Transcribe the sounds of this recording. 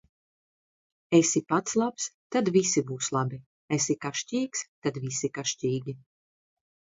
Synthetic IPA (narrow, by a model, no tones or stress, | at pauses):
esipat̪slˠapst̪ad̪visibuːslˠabi | esikaʃcʲiːkst̪ad̪visikaʃciːɡʲi